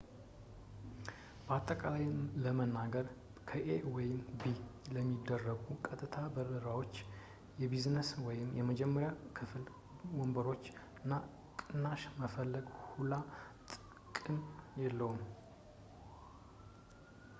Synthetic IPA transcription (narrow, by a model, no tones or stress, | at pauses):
b̥əat̪ʼːəkʼalajmləmənːaɡəɾ | kʰəʔewɔjɪmbiləmːid̪ːərːəɡukʼət̪ʼːɨt̪ʰabəbəɾawo̞t͡ʃː | jɛbiznəswɔjɪmjɛməd͡ʒɛmːəɾjakʰɨfl | wɔmbəɾo̞t͡ʃːɨnːa | kʼɨnːaʃməfəlːəɡhulat̪ʼ | kʼɨnjɛlːəhum